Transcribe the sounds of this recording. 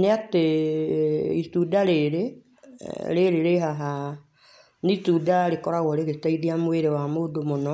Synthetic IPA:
neate | itudaɾeɾe | ɾeɾeɾeɦaɦa | nitudaɾekɔɾaɣɔɾeɣetaiðiamweɾewamodomonɔ

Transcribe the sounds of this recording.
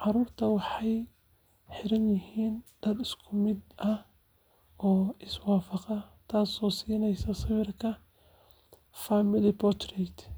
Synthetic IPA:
ʕɑɾuːrt̪ʰɐwɑħɑj | ħɪɾɐnjɪhiːnd̪̥ɐd̪ɪskʰʊmɪd̪ɐ | ɔːɪswɑːfɑqɐt̪ʰaːsɔːsiːnɛjsɐsɐβɪrkʰɐ | famɪlɪpʰɔt̪rɛt̪ʰ

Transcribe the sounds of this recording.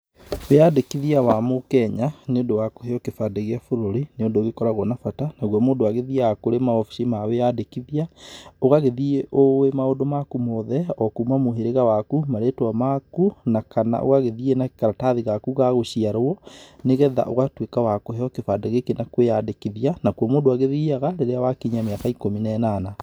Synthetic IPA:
weadekiðiawamokɛɲaneondowako̥heɔkefadeɣeafoɾoɾineondoɣekɔɾaɣɔnafatanaɣwɔmoːndowaɣeðiakoɾemaɔfi̥simaweadekiðiaoɣaɣeðieʔowemaodomakumɔðɛɔkumamoɦeɾeɣawakumaɾetwamakunakana̰ʔo̰ɣaɣeðienakaɾataðiɣakuɣaɣoɕiaɾwɔneɣɛða̰ʔoɣatwekawakoɦɛɔkefadeɣekenakwejadekiðianakwɔmondoaɣeðiaɣaɾeɾeawakiɲameakaikominɛnana

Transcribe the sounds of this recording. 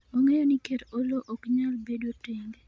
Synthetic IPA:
oŋɛjɔnikeɾoloʔɔkɲalbedoteŋɡ

